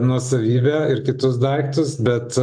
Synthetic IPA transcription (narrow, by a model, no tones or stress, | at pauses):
nuɔsɐʋʲiːbʲæːɪɾkʲɪt̪ʊsd̪ɐɪkt̪ʊsbʲɛt̪